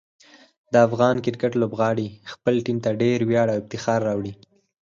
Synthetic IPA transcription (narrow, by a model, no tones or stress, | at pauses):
d̪əafɣɑnkɪɾkaʈlobɣɑɽixpəlʈimt̪aɖeɾwjɑɽawɪb̚t̪ɪxɑɾːɑwɽi